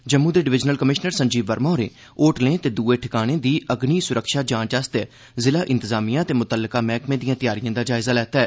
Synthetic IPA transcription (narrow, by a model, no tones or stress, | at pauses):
d͡ʒəmːũːd̪eːɖɪʋɪd͡ʒnəlkəmɪʃnəɾsəɲd͡ʒiːbəɾmɔːɾḛː | oːʈlẽːt̪eːd̪uːeːʈʰɪkaːɽ̃eːd̪iːəɡniːsʊɾəkʃaːd͡ʒãːt͡ʃəst̪ː | zɪlaːʔɪ̃nt̪əzaːmijãːət̪eːmʊt̪əlːəkaːmɛːkmẽːd̪ijãːt̪ɪjaːɾɪjãːd̪aːd͡ʒaːɪzaːlɛːt̪aːɛː